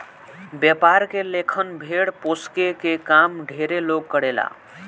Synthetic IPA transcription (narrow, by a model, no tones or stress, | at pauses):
bjəpaɾkelekʰənbʱeɽposkekekamɖʱeɾeloɡ̚kəɽela̰